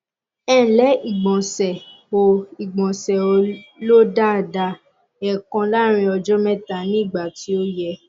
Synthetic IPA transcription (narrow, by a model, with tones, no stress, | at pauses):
ɛ̃˦˨lɛ˨˦i˦˨ɡ͡bɔ̃˨sɛ˨ | o˨i˨ɡ͡bɔ̃˨sɛ˨o˨˧lo˦da˦˨da˧ | ɛ˨kã˧la˦ɾ̃ĩ˧ɔ˧d͡ʒɔ˦mɛ̃˦ta˨nĩ˦˨ɡ͡ba˨ti˨˦o˦jɛ˧